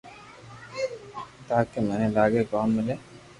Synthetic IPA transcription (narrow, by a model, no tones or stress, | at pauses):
t̪aːkemɛːnelaːɡekaːmːɪleː